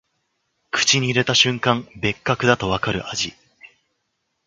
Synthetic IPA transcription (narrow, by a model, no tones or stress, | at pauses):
kɯ̟̥t͡ɕiɲ̟iːɾe̞t̪aɕɨ̃ŋkãmbe̞kːakɯ̟d̪at̪o̞β̞akaɾɯ̟̰ʔaʑi